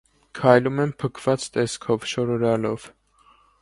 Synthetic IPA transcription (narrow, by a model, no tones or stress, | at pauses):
kʰɑjlumɛmpʰəkʰv̥ɑt͡st̪ɛskʰɔvʃɔɾɔɾɑlɔv̥